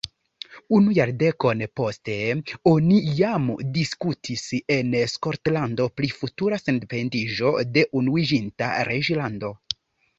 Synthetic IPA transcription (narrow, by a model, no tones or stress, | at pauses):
unujaɾde̞ko̞npo̞ste̞o̞nijamdiskutʰise̞nsko̞ɾtlando̞plifutuɾasendepe̞ndiʒo̞de̞ʔunuid͡ʒinta̰ɾed͡ʒlando̞